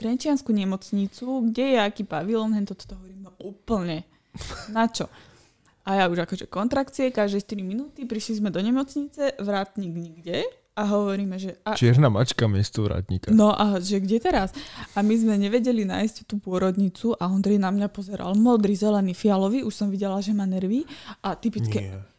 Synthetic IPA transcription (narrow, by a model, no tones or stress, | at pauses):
t̪ɾɛnt͡ʃɪanskuɲɛmɔt͡sɲit͡suɡɟɛjɛakiːpaʋilɔnɛnt̪ɔt̪ɔ̥t̪ɔɦɔʋɔɾiːmɛuːpl̩ɲɛ | nat͡ʃɔ | ʔajauʒakɔʒɛkɔnt̪ɾakt͡siɛkaʒd̪ɛjʃt̪iɾiminuːt̪ipɾiʃlizmɛd̪ɔɲɛmɔt͡sɲit͡sɛʋɾaːt̪ɲiːɡɲiɡɟɛ | aɦɔʋɔɾiːmɛʒɛat͡ʃɪɛɾnama̰t͡ʃkamɪɛst̪ɔʋɾa̰ːt̪ɲḭkanɔʔaʒɛɡɟɛt̪ɛɾasamizmɛɲɛʋɛɟɛlina̰ːjsct̪uːpʊɔɾɔd̪ɲit͡suʔaɦɔnd̪ɾɛjnamɲapɔzɛɾʔa̰lmɔd̪ɾizɛlɛnifialɔʋiʔuʃsɔmʋiɟɛlaʒɛmaːnɛɾʋiːʔat̪ipit͡skɛ